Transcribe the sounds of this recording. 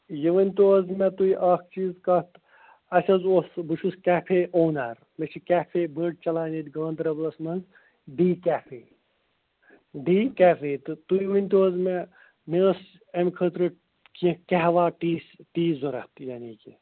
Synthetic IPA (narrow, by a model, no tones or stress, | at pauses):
jiʋɐnʲt̪ozmɛt̪uiʔɐk̚ʰt͡ʃiːzkɐt̪ | ɐsʲɐzosbuʃʰuskʲaːpʰeʔoːnaːɾ | met͡ʃʰikaːpʰebəːɖ̚t͡ʃɐlaːnit̪ʲɡãːnd̪ɾɐblɐsmɐnz | ɖiːkaːfʰḛː | ɖiːkæːfʰet̪ɨt̪uʋɐnʲt̪ozme | mes | ɐmkʰət̪ɾɨ | kikɛɦʋaːʈiːsʈiːzoɾɐ̰ht̪jaːniːki